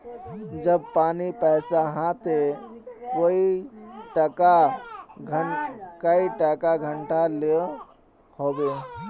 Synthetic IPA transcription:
d͡ʒəb̚paːnipəɪsaɦãt̪e | woiʈəka | kəiʈəkaɡʱəɳʈale | hobe

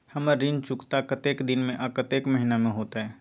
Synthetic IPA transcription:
hɐməɾint͡ʃʊkt̪akət̪eːkd̪ɪnmẽʔɐkət̪eːkmɐɦinamẽɦoːt̪aɦɛː

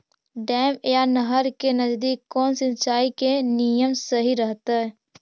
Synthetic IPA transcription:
ɖɛːmjanəɦəɾkenəd͡ʒd̪iːkːɔːnsɪ̃nt͡ʃaːikenijəmsəɦiɾəɦt̪aɦɛ

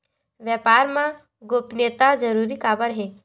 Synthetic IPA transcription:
ʋjapaːɾmã | ɡoːpnət̪ad͡ʒəɾuːɾikaːbəɾɦeː

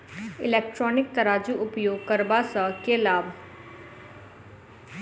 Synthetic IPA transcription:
ɪleːk̚ʈɾɔːnɪk̚t̪ɐɾaːd͡ʒuʔʊpjoːɡ̚kəɾbaːsəkelaːb

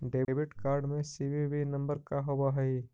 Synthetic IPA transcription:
ɖeːbɪʈkaːɾɖmẽsiːʋiʋinɐ̃mbəɾkaɦowaɦɛi

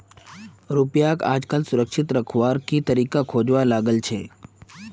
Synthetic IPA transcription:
ɾupjaka̰ːd͡ʒkalsʊɾəkʃɪt̪ɾəkʰʋaɾkit̪əɾikakʰod͡ʒʋalaɡəlt͡ʃʰe

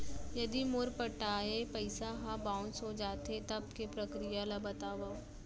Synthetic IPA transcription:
jɐd̪imʊɾpɐʈaːepɐɪsaɦãbãːʊnsɦod͡ʒaːt̪et̪ɐb̚kepɾɐkɾijalabɐt̪aːʋa

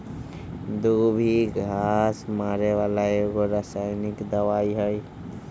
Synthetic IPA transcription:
d̪ubʱiɡʱasmaːɾewaːlajoɡoɾasajnɪkd̪əwaːiɦəj

